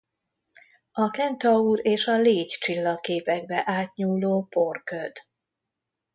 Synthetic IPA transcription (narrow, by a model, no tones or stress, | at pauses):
ɒkɛnt̪ɒuːɾeːʃɒleːct͡ʃilːɒkeːpɛɡbɛʔaːt̪ɲuːlːoːporkød̪̥